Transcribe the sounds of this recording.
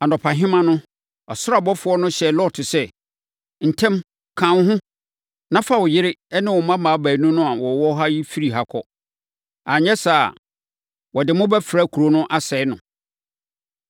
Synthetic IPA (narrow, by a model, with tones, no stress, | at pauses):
a˨nɔ˨pʰã˨ɦɪ̃˦mã˦nʊ̃˦ | ɔ˨sʊ˦ɾa˨bɔ˦fʊ˨˦ɔ˦nʊ̃˦ɕɛ˨lɔ˦tʰʊ˨sɛ˦ | n̩˨tʰɛ̃˦m | kʰã˨n˦ɦʊ̃˦ | nã˦fa˦wʊ˨jɪ˦ɾɪ˦ɛ˦nɪ̃˦wɔ˨mã˦mãː˨˦bæ˨˦nũ˦nʊ̃˦a˨wɔ˨wɔ˦ɦa˦ji˦fi˦ɾi˨ɦa˨kʰɔ˦ | a˨ɲɛ˦sa˨ | wɔ˨dɪ˨mʊ̃˦bɛ˦fɪ˨ɾa˦kʰu˨ɾo˦nʊ̃˦ʔa˦sɛ˨˦nʊ̃˨